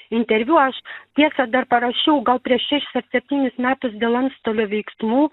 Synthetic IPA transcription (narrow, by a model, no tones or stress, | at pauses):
ɪnʲt̪ʲɛɾʲʋʲuɐʃt̪ʲiɛsɑd̪ɐɾpɐɾɐʃʲɛʊɡɐlˠpʲɾʲiɛʃʃʲæːʃʲɪ̥sɐɾsʲɛpʲt̪ʲiːnʲɪsmʲæːt̪ʊsd̪ʲeːlˠɐnst̪oːlʲoːʋʲɛɪksmuː